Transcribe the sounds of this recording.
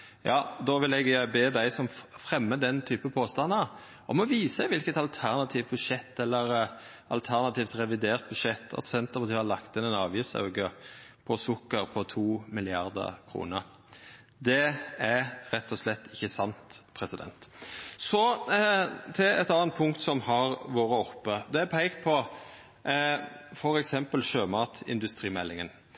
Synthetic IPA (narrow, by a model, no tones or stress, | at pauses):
jɑːd̪ɔʋɪlɛɡbeːd̪æɪsɔmfʁɛmːəd̪ɛnt̪ʰyːpəpʰoːst̪ɑnːəɾ | ɔmɔʋiːsəʋɪlkət̪ɑlt̪ʰæʁnɑt̪ʰiːʋt̪̚bʉʂɛt̪ːɛlːəɾ | ɑ̰lt̪ʰæʁnɑt̪iːft̪ʁɛʋɪd̪eːʁt̪̚bʉd̪ʂɛt̪ʰːɑ̰t̪sɛnt̪əpɑt̪iːɑlɑkt̪ɪnɛnɑːʋjɪfsɑ̰ʉɡəpʰɔsʊkːəɾpʰɔt̪ʰuːmɪlɪɑʁd̪ə̰kʰɾṵːnəɾ | d̪ɛæɾɛt̪ːɔslɛt̪ːɪçːəsɑnt̪pʰɾɛsɪd̪ɛ̰nt̪sɔ | t̪ʰɛɛt̪ɑnnpʰʊŋk̚t̪sɔmhɑɾʋoːɾəɔpːəd̪ɛæpʰɛɪkt̪̚pʰɔ | fɔɾɛksɛmpəlʃøːmɑːt̪ɪ̰nd̪ʉst̪ɾiːmɛlːɪŋən